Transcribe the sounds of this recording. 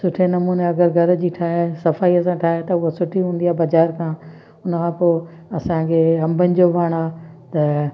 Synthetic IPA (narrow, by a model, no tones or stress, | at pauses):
sʊʈʰenɐmuːneɐɡəɾɡʱɐɾd͡ʑiːʈʰaːɦesɐfaːiɐs̬ãʈʰaːɦet̪ɐʊɦosʊʈʰiɦũːnd̪iaːbɐd͡ʑaːɾkʰãː | ʊnəkʰãːpoː | ɐsãkʰeɦɐ̃mbʱənɪ̆d͡ʑoʋaːɽ̃aː | t̪ɐ